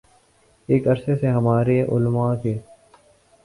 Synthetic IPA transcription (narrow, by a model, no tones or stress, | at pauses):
eːkɐɾseseɦɐmaːɾeʔʊ̰lmakeː